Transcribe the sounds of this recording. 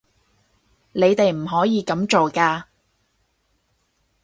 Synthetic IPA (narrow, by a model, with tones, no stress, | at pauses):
ne˨˧jt̪e˨jm̩˨˩ɦɔː˨˥jiː˨˧kɐ˨˥mt͡ʃo˨wkaː˧